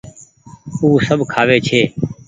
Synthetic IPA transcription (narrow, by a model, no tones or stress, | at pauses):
uːsəbʱkʰaːʋeːt͡ʃʰeː